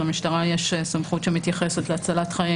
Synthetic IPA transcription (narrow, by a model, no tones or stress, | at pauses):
lamiʃtaʁajeʃesamχutʃemit̪jaχe̞set̪leat͡salat̪χaji